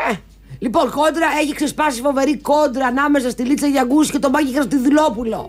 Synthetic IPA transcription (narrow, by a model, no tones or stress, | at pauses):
e | lipo̞nko̞nd̪ɾɐe̞çiksespɐsifo̞ve̞ɾiko̞nd̪ɾɐːnɐme̞sɐst̪ilit͡sɐʝɐɡusce̞t̪o̞mɐcixeɾst̪iðilo̞pulo̞̰